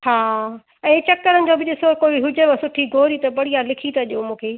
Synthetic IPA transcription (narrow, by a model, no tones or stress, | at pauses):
haː | ɛ̃ːt͡ɕɐkːəɾənɪ̆d͡ʑoːbɪd͡ʑesoːɾkoːiɦʊd͡ʑəɾɐsʊʈʰiɡʱoːɾit̪ɐbɐɽ̤ijalɪkʰit̪ɐʄijomũːkʰeː